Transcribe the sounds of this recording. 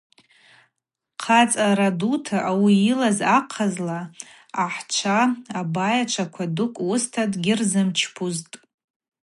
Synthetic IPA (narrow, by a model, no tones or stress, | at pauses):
qʰat͡sʼaɾadutʰaʔawiilazaqʰazlaː | ħt͡ʃʷʰaːbajaʈ͡ʂʷʰakʷʰadʊkʷʼwustʰadɡʲɪrzɨmt͡ʃʰpʰuztʼ